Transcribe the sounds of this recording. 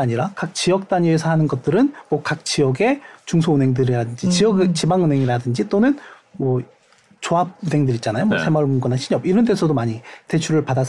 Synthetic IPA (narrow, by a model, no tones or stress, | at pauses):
aɲiɾakak̚t͡ɕijʌk̚t͈aɲie̞sʰʌhanɯnɡʌt̚t͈ɯɾɯnmwʌkak̚t͡ɕ͈iʌɡe̞t͡ɕuŋsʰoɯnɦe̞ŋdɯɾiɾadɯnd͡ʑit͡ɕiʌɡet͡ɕibaŋɯnɦe̞ŋiɾadɯnd͡ʑit͈onɯnmʌ | t͡ɕoɦab̚unɦe̞ŋdɯɾit͡ɕ͈anajomwʌsʰe̞mʌɭmuŋɡʌnaɕʰiɲʌbiɾʌnt̬͈esʰʌdomaɲite̞t͡ɕʰuɾɯɭpadas